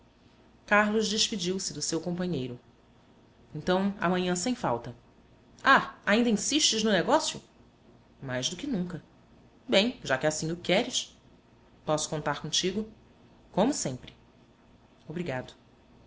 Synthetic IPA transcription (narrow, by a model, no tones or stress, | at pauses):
kaɾlʊʒd͡ʒɪʃpid͡ʒiwsɪd̪ʊsewkõpɐ̃ɲejɾʊ | ẽnt̪ɐ̃w̃ɐ̰mɐ̃ɲɐ̃sẽj̃fa̰wt̪ɐ | aaĩnd̪ɐĩsiʃt͡ʃɪʒnʊneɡɔsjʊ̰ | majzd̪ʊkɪnũŋkɐ | bẽj̃ʒakɪasĩʊkɛɾɪʃ | pɔsʊ̥kõnt̪aɾkõt͡ʃiɡʊ | kõmʊsẽmpɾɪ | obɾiɡad̪ʊ